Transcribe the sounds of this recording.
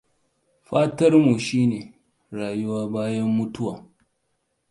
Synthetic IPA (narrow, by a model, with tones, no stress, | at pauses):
ɸaː˦tɐ˦rmu˨ʃiː˦neː˨ | ɾaː˨jʊ˦waː˦baː˦jɐ˦mːʊ˦tʊ˦waː˨